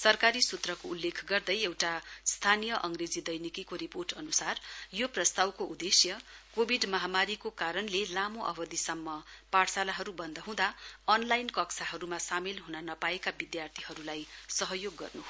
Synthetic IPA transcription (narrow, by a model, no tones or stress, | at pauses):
sʌrkaɾisut̪rʌkoulːekʰɡʌrd̪ʌjewʈast̪ʰanijʌʔʌŋred͡zid̪ʌjnikikoɾiporʈʌnusarjoprʌst̪awkoud̪esjʌkobʱiɖmʌɦamaɾikokaɾʌnlelamoʔʌ̰bʌd̪isʌmːʌpaɽsalaɦʌɾubʌnd̪ʌɦũd̪aʌnlajnkʌksaɦʌɾumasamelɦunanʌpaekabid̪jart̪ʰiɦʌɾulajsʌɦʌjoɡːʌ̰rnuɦo